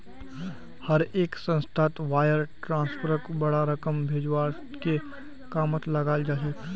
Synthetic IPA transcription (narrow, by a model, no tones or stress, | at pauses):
hɐɾeːksə̃nsʈʰaːt̪ʋaːjəɾʈɾãːnspʰəɾəkbɐɽaɾɐkəmbʱeːd͡ʒwaːɾ | ke | kaːmət̪lɐɡaːld͡ʒaːʃe